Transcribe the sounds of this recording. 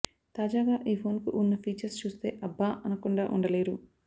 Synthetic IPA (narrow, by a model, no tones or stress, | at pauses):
t̪aːd͡ʒaːɡaːʔiːpʰo̞ːnkuʔunːɐpʰiːt͡ʃɐɾst͡ʃuːst̪e̞ːʔɐbːaːʔɐnɐkuɳɖaːʔuɳɖɐle̞ːɾu